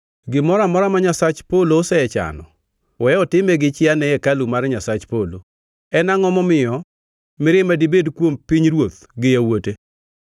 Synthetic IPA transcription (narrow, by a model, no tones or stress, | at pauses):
ɡɪmɔɾamɔɾamaɲasat͡ʃpoloːsɛɛt͡ʃa̰nɔ̰ | wɛɔtɪmɛɡɪt͡ʃɪanɛɛkalumaɾɲasat͡ʃpolo | ɛnaŋɔmɔmɪjɔ | mɪɾɪmadibedkwompiɲɾwot̪̚ | ɡɪjawote